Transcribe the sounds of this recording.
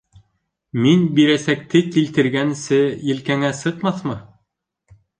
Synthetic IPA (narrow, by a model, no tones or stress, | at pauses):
minbiɾæsæk̚t̪ɘkilt̪ɘ̆ɾɡænsɘjɘ̆lkæŋæsɤqmɑθmɤ